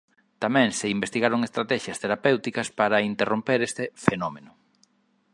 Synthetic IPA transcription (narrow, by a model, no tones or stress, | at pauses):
t̪amɛ̃ŋseimbest̪iɣaɾoŋest̪ɾat̪ɛʃjɐst̪eɾapewt̪ikɐspaɾɐint̪erompeɾest̪efenɔmenʊ